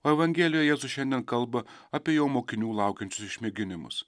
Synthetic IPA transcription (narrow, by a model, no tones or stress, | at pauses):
oːɛʋɐŋʲɡʲeːlʲɪjojɛjeːzʊʃʲɛnʲd̪ʲiɛnkɐlˠbɐɐpʲiɛjoːmoːkʲɪnʲuːlˠɑˑʊkʲɛnʲt͡ʃʲʊsɪʃʲmʲɪɡʲɪnʲɪmʊ̰s